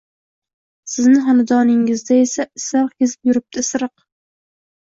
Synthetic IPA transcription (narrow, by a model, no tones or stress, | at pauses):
sɪznɪɦɒnad̪ɒnɪŋɪzd̪ae̞saɪsaɾqkʲezɪpjʊɾɪp̚t̪ʰɪsɨɾɨq